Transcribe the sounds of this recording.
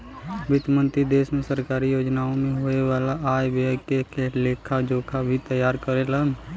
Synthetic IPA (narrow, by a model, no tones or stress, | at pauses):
ʋɪt̪mə̃nt̪ɾid̪eːsmẽsəɾkaːɾijoːd͡ʒnaːõmẽɦoeʋaːlaʔaːjbəkekeleːkʰad͡ʒoːkʰabʱit̪əjaːɾkəɾelan